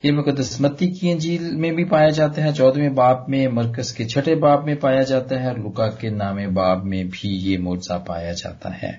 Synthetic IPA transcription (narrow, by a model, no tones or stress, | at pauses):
jemʊ̃kod̪ɐsmət̪ːikiẽd͡ʒiːlmẽbʱipaːjad͡ʒaːt̪aɦɛt͡ʃɔːd̪mẽbaːbmẽmɐɾkəzket͡ʃʰɐʈebaːbmẽpaːjad͡ʒaːt̪aɦɛɔːɾlʊkakenaːmẽbaːb̚mẽbʱijemoːd͡ʒzapa̰ːjad͡ʒa̰ːt̪a̰ɦɛ̰ː